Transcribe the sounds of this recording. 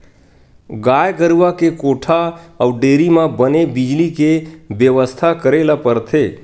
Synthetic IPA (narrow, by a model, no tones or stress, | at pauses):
ɡajkəɾʋakekoʈʰaəwɖeːɾimãbənebɪd͡ʒlikebjəʋəst̪ʰakəɾelapəɾt̪ʰe